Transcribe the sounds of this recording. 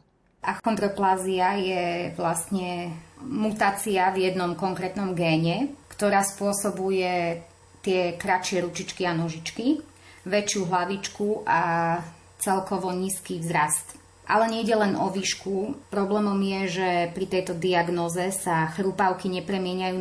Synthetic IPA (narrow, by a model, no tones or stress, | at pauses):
ʔaxɔnd̪ɾɔplaːziajɛʋlast̪ɲɛmut̪aːt͡siavjɛd̪nɔmkɔŋkɾɛt̪nɔmɡɛːɲɛkt̪ɔɾaːspʊɔsɔbujɛ | t̪ɪɛkɾat͡ʃɪɛɾut͡ʃit͡ʃkianɔʒit͡ʃki | ʋɛt͡ʃɪuɦlaʋit͡ʃkuʔa | t͡sɛlkɔʋɔɲiːskiːvzɾast̪ | ʔa̰lɛɲɛiɟɛlɛnʔɔ̰ʋiːʃkupɾɔblɛːmɔmjɛʒɛpɾit̪ɛjt̪ɔd̪iaɡnɔːzɛsaxɾupaʊkiɲɛpɾɛmɪɛɲajuː